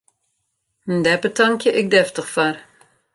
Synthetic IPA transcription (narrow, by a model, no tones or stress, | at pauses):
ndɛpətɑŋkjəʔɪk̚dɛftəχfar